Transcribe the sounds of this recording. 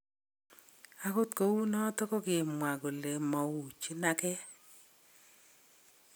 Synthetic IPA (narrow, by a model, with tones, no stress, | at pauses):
a˨ko˦tko˨wu˦nɔ˦tɔ˦kɔ˦ɡɪ˨mwa˨ɡo˨le˨mɔ˨wu˨t͡ʃi˦na˦kɛ˦